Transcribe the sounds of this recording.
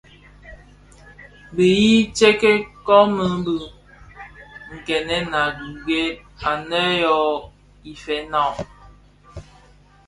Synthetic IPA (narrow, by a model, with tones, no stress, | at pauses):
bə˨ji˦t͡ʃe˦ke˦kɔ˦mə˨˦bə˨ | ŋ̩˨kɛ˨nɛ˦na˨ɡi˨ɡe˦ | a˨nɛ˦jɔ˨˦ | i˨fɛ˨˦nɔ˦˨